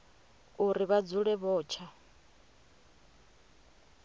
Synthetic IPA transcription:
uɾiβad͡zuɺɛβɔːt͡ʃʰa

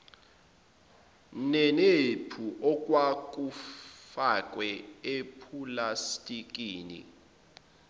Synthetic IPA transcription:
nɛnepʰuʔɔk̬ʼwak̬ʼufak̬ʼwɛepʰulastʼik̬ʼiːnḭ

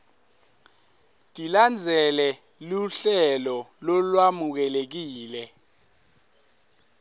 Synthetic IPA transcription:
tʼiland͡zʱɛlɛ | luɬɛlɔlɔlwamuk̬ɛlek̬iːlɛ

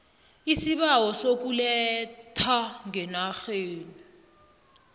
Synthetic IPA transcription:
isiɓawɔsok̬ulɛtʰaŋɛnaxeːni

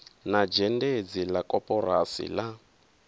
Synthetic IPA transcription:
nad͡ʒɛnded͡zilakʼɔpɔrasḭla

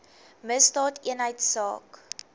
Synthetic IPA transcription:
məstɑːtiənɦəjtsɑ̰ːk

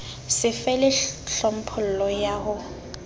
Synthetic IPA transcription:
sɪfɛlɪɬɔm̩pʰʊl̩lɔjaːɦʊ

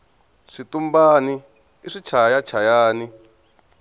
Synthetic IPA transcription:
ʂit̪umbaːni | iʂit͡ʃʰajat͡ʃʰajaːni

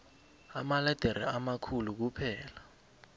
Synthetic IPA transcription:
amalɛd̥ʱaɾḭamakʰuluk̬upʰɛːla

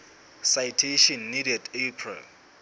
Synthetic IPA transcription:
sajtʰeʃɔnːidɛdepʰrɛ̰l

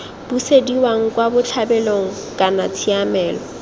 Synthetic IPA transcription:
b̥usediwaŋ̩kʼwabʊt͡ɬʰabɛloŋ̩ | kʼanat͡sʰiamɛːlɔ

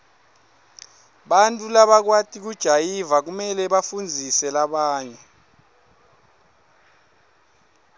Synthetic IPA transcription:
ɓantʼulaɓak̬watʰʼik̬ud̥ʒ̥ʱajivak̬umɛlɛɓafund͡zʱisɛlaɓaːɲɛ

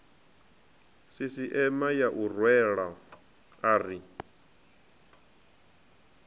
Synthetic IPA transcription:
sisiʔɛmajaʔurwɛɺa | aːri

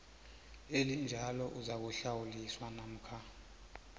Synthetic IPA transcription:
elind͡ʒʱalɔʔuzak̬uɬawuliswanam̩kʰa

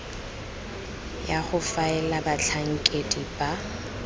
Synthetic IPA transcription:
jaχʊfaɛlabaɬʰaŋ̩kʼedib̥a

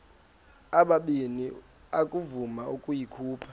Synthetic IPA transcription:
aɓaɓini | akʼuvumaʔukʼujikʰuːpʰḁ

